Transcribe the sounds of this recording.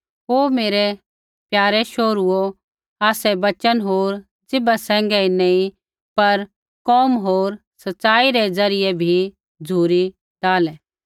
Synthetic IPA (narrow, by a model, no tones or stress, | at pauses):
ɦoːmeːɾɛ | pjaːɾɛʃoːɾuo | aːsɛbɐt͡ʃənɦoːɾ | d͡zɪbasɛ̃ːŋɡɛinɛ̃ĩ | pɐɾ | kɔːmɦoːɾ | sɐtːsaːiɾɛd͡zɐɾɪjɛbʱi | d͡zʱuːɾi | taːlɛː